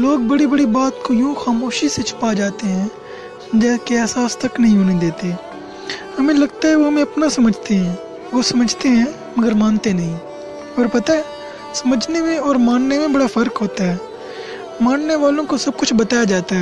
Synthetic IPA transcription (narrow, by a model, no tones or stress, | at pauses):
loːɡ̚bɐɽibɐɽibaːt̪kojõːxaːmoːʃiset͡ʃʰʊ̥pad͡ʒaːt̪eɦɛ̃ː | d͡ʒɛːskeɛːsaːst̪ɐknɐɦĩɦonɦĩd̪eːt̪e | hɐmẽlɐɡt̪aɦɛʋoɦɐmẽɐpnasɐməd͡ʒʱt̪eɦɛ̃ː | ʋoːsɐməd͡ʒʱt̪eɦɛ̃ | mɐɡəɾmãːnt̪enɐɦĩ | ɔːɾpɐt̪ae | sɐməd͡ʒʱnemẽɔːɾmãːnnemẽbɐɽafʰɐɾkɦoːt̪aɦɛː | maːnneʋaːlõkosɐb̚kʊt͡ʃʰbɐt̪aːjad͡ʒaːt̪aɦɛː